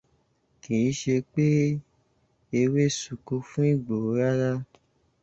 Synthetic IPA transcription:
kĩ˨ĩ˦ʃe˧k͡pe˦ | e˧we˦su˨ko˧fũ˦i˦˨ɡ͡bo˨˦ɾa˦ɾa˦

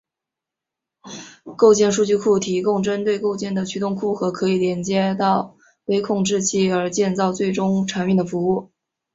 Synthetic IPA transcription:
ko˥˧ʊt͡ɕjɛ˥˧nʂu˥˧t͡ɕy˥˧kʰu˥˩t̪ʰi˧˥kʊ˥˧ŋʈ͡ʂə˥nt̪we˥˧ɪko˥˧ʊt͡ɕjɛ˥˩nd̪ə˩t͡ɕʰy˥t̪ʊ˥˧ŋkʰu˥˩xɤ˧˥kʰɤ˧˥i˨˩ljɛ˧˥nt͡ɕjɛ˥t̪ɑ˥˩ʊ | we˥ɪkʰʊ˥˧ŋʈ͡ʂɻ̩˥˧t͡ɕʰi˥˩ə˞˧˥t͡ɕjɛ˥˧nt͡sɑ˥˧ʊt͡swe˥˩ɪʈ͡ʂʊ˥ŋʈ͡ʂʰa˧˥ni˥˩nd̪ə˩fu˧˥u˥˩

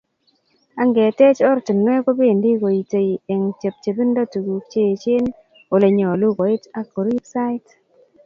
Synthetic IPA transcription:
a˦ŋɡe˨te˦t͡ʃɔ˦ɾti˨nwe˦ko˦be˦˨ndi˦ko˨i˨te˨i˨e˨ŋt͡ʃe˨p̚t͡ʃe˨bi˦n˦dɔ˦tu˨ɡu˨k̚t͡ʃe˦˨t͡ʃe˦n | o˨le˨ɲɔ˨lu˦kɔ˨ɪ˦ta˦ko˨ɾi˦psa˦ɪ˦t

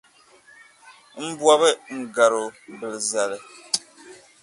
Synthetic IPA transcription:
m̩˦bwa˦βɨ˦ŋ̩˦ɡa˨ɾo˨bɨ˨lɨ˨za˨lɨ˨

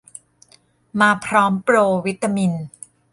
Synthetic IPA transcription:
maː˧pʰɾɔː˦˥mpɾoː˧wi˦˥t̪ːa˧mi˧n

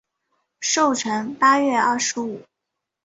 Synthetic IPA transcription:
ʂo˥˩ʊʈ͡ʂʰɤ˧˥ŋpa˥ɥɛ˥˧ɐ˥˩ʂɻ̩˧˥u˨˩˦

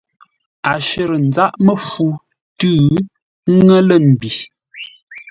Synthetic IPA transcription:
a˨ʃə˨ɾə˨n̩˨d͡za˦ʔmə˦fu˦ | tʉ˦˨˦ | ŋə˦lə˦˨m̩˨bi˨

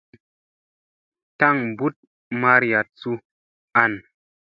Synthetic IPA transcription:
ta˦˨ŋbu˦t̚ | ma˧ɾja˨t͡su˧ | a˦˨n

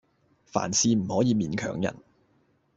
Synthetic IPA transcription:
fa̰ː˨˩nsiː˨˧m̩˨˩hɔː˨˥jiː˨˧miː˨˧nkʰœ̰ː˨˩ŋjɐ̰˨˩n

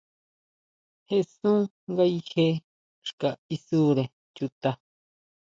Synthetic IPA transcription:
he˦˧sũ˦ | ŋɡa˦i˧he˦ | ʂka˨i˧su˦ɾe˨ | t͡ʃu˧t̪a˧

